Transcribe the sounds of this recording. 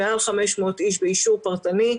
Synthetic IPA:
ealχameʃmo̞t̪ʔiʃ̬beiʃuʁpaʁt̪ani

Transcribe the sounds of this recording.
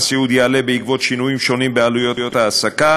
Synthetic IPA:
siud̪ialebeiɡvot͡ʃːinuimʃonibealujojot̪aːsːaka

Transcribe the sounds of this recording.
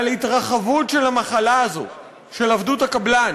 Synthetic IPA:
litʁaχavutʃelamaχalaːzo̞̰ | ʃe̞lavduthakablan

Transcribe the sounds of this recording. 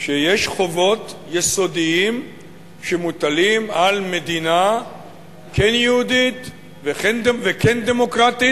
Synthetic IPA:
ʃejeʃχo̞vo̞t̪jeso̞d̪iim | ʃemut̪alimalme̞d̪ina | kʰenjehud̪it̪ | veχendvekend̪emo̞kʁat̪i

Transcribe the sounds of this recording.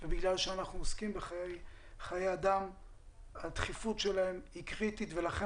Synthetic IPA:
vebiɡlalʃeanaχnuoskimbeχajej | χajejad̪am | at̪χifutʃelae̞mikʁit̪it̪ve̞laχe

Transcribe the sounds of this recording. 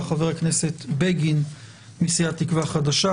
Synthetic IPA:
χaveʁakneset̪beɡin | misijatikvaχad̪aʃa

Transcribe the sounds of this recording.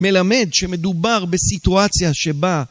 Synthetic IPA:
me̞lame̞d̪ʃeme̞d̪ubaʁbesit̪uat͡sjaʃeba

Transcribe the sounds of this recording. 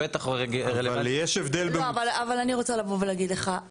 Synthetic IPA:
et̪aχeɡvaljeʃevd̪ellbeoavalavalaniʁo̞t͡salavovelaːɡid̪leχa

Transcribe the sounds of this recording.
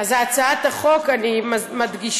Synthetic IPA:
azaat͡saat̪aχokanimmad̪ɡiʃ

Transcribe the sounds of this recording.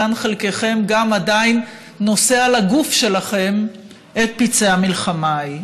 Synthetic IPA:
anχelke̞χe̞mɡamadainː | o̞se̞alaɡufʃe̞laχe̞m | ʔet̪̚pit͡se̞hamilχamaj

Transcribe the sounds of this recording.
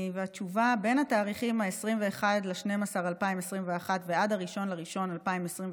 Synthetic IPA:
veat͡ʃuvabe̞nat̪aːʁiχimhaesʁimve̞eχad̪leʃnemasaʁalpaimesʁimveaχat̪vead̪aʁiʃo̞nlaʁiʃo̞nalpaimesʁimv

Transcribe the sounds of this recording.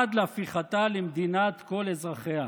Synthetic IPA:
ad̪leafiχat̪alemd̪inat̪ko̞lezʁaχea

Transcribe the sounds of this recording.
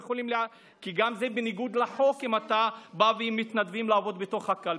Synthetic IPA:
eoliml | kiɡamzebeniɡud̪laħo̞kimat̪abaveimːit̪nad̪vimlaːvo̞d̪bet̪o̞χhakal

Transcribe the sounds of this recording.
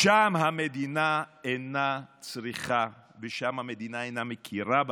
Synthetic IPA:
ʃamɦamed̪inaenat͡sʁiχaveʃamhamed̪inaejnamekʰiʁab

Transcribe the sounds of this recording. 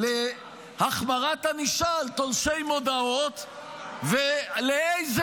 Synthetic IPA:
le | haχmaʁat̪haniʃalt̪olʃejmo̞d̪ao̞t̪ | veleejz

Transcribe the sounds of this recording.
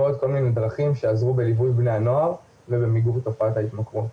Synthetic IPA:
od̪ko̞lmine̞d̪ʁaχimʃeazʁube̞livujbneano̞aʁ | ve̞be̞miɡuʁt̪ofat̪ait̪makʁu

